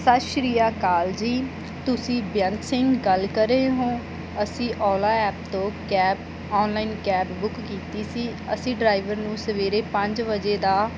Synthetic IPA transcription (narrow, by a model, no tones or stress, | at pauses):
sət̪ʃɾiːjaːkaːld͡ʒiː | t̪ʊsĩːbjənt̪sɪŋɡɡəlkəɾeːɦõː | əsĩːʔɔːlaːɛːp̚t̪õːkɛːp | ɔːnlaːinkɛːpbʊkːiːt̪iːsiːəsĩːɖɾaːiʋəɾnũːsəʋeːɾeːpə̃ɲd͡ʒʋəd͡ʒeːd̪aː